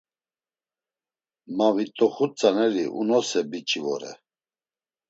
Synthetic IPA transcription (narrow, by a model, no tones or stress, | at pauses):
mavit̪ʼɔχut͡sʼanɛɾiʔṵnɔsɛbit͡ʃʼivɔɾɛ̰